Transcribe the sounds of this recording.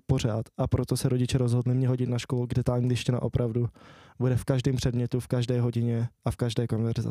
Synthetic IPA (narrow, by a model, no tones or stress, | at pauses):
po̞ɾ̝aːt̪ʔapɾot̪o̞sɛɾo̞ɟɪt͡ʃɛɾozɦodlɪmɲɛɦo̞ɟɪt̪naʃkoluɡdɛt̪alɲilɪʃcɛna̰ʔo̞pɾʔavdubudɛfkaʒdiːmpr̥ɛdmɲɛt̪ufkaʒdɛːɦo̞ɟɪɲɛʔafkaʒdɛːkonvɛɾɪza̰